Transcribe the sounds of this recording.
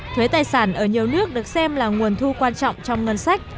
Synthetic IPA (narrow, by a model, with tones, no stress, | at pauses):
t̪ʰwe˨˦t̪aː˨˩jsaː˧˩nʔəː˧˩ɲi˨˩əwnɨ˦˥ək̚ɗɨ˨˩ək̚sɛ˧mlaː˨˩ŋu˨˩ənt̪ʰu˧kwaː˧nt͡ɕɔ̰˧˨wŋ͡mt͡ɕɔ˧wŋ͡mŋə˧˩nsa˦˥jk̟̚